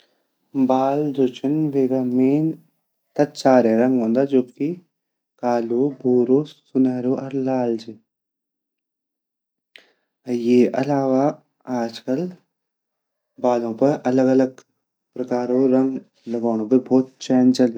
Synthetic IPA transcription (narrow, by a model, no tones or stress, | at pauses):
baːld͡ʒot͡ʃinʋeɾɐmiːn | t̪ɐt̪̚t͡ʃaːɾeːɾɐŋɡond̪ad͡ʒoːbki | kaːlubʱuːɾuːsunaːɾuʔɐɾlaːld͡ʒi | ɐjeːʔɐ̰laːʋaː | aːd͡ʒkɐl | baːlopɐʔɐlɐɡɐlɐɡ | pɾɐkaːɾoɾɐŋɡ | lɐɡoːɳupɐbʱoːt̪̚t͡ʃeːnt͡ʃɐl